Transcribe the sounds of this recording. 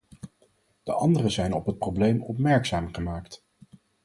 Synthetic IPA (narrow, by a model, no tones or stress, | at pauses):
d̥əʔɑndərəzɛjnɔpɦət̚prowblejmɔp̬mɛɹksaːmχəmaːkt